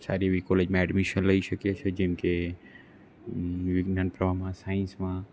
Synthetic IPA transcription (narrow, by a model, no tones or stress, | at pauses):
saːɾiʋikoled͡ʒmãɛɖmiʃənləiʃəkjet͡ʃʰed͡ʒɛ̃mke | ʋɪɡnaːnpɾəbʱamãsaːĩnsmã